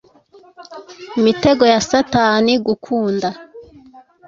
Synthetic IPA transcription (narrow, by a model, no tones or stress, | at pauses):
imite̞ɡo̞jasataniɡukʰuːnda